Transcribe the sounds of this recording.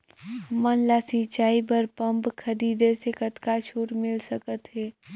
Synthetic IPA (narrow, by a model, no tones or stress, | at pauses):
mənlasit͡ʃaːip̬əɾpəmpkʰəɾiːd̪esekət̪kat͡ʃʰuːɾmɪlsəkət̪ɦɛː